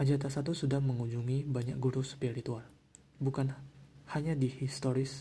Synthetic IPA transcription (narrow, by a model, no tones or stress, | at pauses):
ʔad͡ʒat̪asat̪usudahməŋuɲd͡ʒuŋibaɲak̚ɡuɾuspiɾit̪ual | bukanhaɲadihist̪oɾɪs